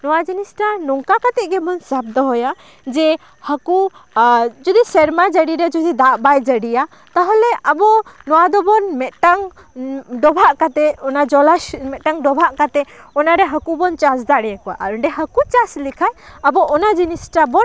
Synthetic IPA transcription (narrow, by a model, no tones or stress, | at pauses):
nɔwad͡ʒinisʈanɔŋkakat̪ɛʔɡɛbɔnsab̚d̪ɔɦɔja | d͡ʒɛ | haku | d͡ʒɔd̪isɛɾmad͡ʒəɽiɾɛd͡ʒɔd̪id̪aʔbajd͡ʒəɽija | t̪aɦɔlɛʔabɔnɔwad̪ɔbɔnmɛʔ̪ʈaŋ | ɖɔbʱaʔkat̪ɛɔnad͡ʒɔlamɛt̪̚ʈaŋɖɔbʱaʔkat̪ɛɔnaɾɛɦakubɔnt͡ʃasd̪aɽɛjakɔwa̰ʔaɔɳɖɛɦakut͡ʃaslikʰajabɔɔnad͡ʒinisʈabɔn